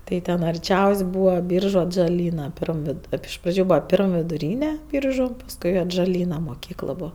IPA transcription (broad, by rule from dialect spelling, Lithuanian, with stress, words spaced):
ˈtɐɪ tʲɛn ɐrʲˈt͡ʃʲɛʊsʲ ˈbuːʋɐ ˈbʲiːrʒʊ ɐdʒɐˈlʲiːnɐ ˈpʲɪrm ʋʲɪˈdʊ ˈtɐɪp ɪʃ ˈprɑːd͡ʒʲʊ ˈbuːʋɐ ˈpʲɪrm ʋʲɪdʊˈrʲiːnʲɛ ˈbʲiːrʒʊ pɐsˈkʊɪ ɐdʒɐˈlʲiːnɐ moːˈkʲiːklˠ ˈbuːʋɐ